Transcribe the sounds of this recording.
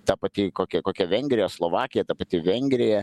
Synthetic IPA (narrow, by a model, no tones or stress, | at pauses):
t̪ɑpɐt̪ʲɪkoːkʲɛkoːkʲɛʋʲɛŋʲɡʲɾʲɪjoːslˠoːʋɑːkʲɪjɛt̪ɑpɐt̪ʲɪʋʲɛŋʲɡɾʲɪjɛ